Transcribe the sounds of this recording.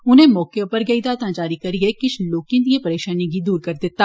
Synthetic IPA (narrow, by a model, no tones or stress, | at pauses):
ʊnɦẽmɔːkeõpɐɾɡɐid̪at̪ãd͡ʒaːɾikɐɾiekɪʃʰloːkɪ̃nt̪ijepɐɾeːʃaːniɡid̪uːɾkɐɾd̪eːt̪ːaː